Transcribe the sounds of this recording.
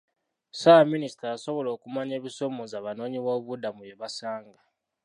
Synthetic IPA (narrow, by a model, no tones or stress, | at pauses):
saminisi̥taaso̞βo̞lo̞ːkumaɲeːβiso̞mozaβano̞ːɲiβoːβudamujeβasaːŋɡa